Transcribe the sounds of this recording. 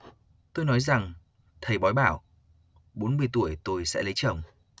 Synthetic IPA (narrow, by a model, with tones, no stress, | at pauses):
t̪o˧jnɔ˨˦jza˨˩ŋ | t̪ʰə˨˧˩jɓɔ˨˦jɓaː˧˩w | ɓo˨˦nmɨ˧əjt̪u˧˩əjt̪o˧jsɛ̰˧˥lə˨˦jt͡ɕə̰˨˧˩wŋ͡m